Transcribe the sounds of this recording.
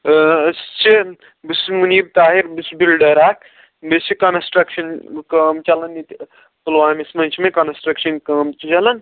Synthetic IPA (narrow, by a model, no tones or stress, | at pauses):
st͡ʃi | bismunib̚t̪aːɦiɾbɨsbilɖɐɾakʰ | bist͡ʃʰikɐnsʈɾɐkʃɐnkɐmt͡ʃɐlɐnit̪ | pulʋaːmismɐ̃nt͡ʃʰmekɐnsʈɾɐkʃɐnkɐmt͡ʃt͡ʃɐlɐn